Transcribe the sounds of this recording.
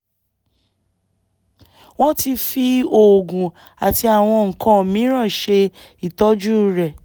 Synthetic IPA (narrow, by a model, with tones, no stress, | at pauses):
w̃ɔ̃˦ti˧fi˧o˨ɡũ˨ | a˨ti˧a˨w̃ɔ̃˧ŋ̩˨kã˧˦˨mĩ˨˦ɾ̃ã˦˨ʃe˧ | i˨tɔ˦d͡ʒu˦ɾɛ˨